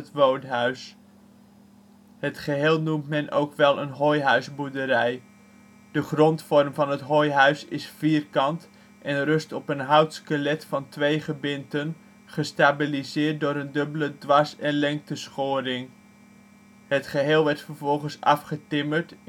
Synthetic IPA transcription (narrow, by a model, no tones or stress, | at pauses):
ətʋowtɦœɥs | ɦətχəɦeːlˠnumtmɛnʔo̰wkʋɛlˠə̰nɦojɦœɥzbudəɾɛj | d̥əχrɔntfɔɹmvɑnɦətɦojɦœɥsɪ̰sfiːrkɑnt | ʔɛnrɵstɔpənɦɑwtskəlɛtfɑntʋejχəbɪntən | χəstaːbilizɪːɹt̚dʊːɾəndɵbələdʋɑsɛnlɛŋk̚təsχʊːɾɪŋ | ətχəɦeːlˠʋɛɹtfəɹvɔlˠχənsɑ̰fχətɪməɹt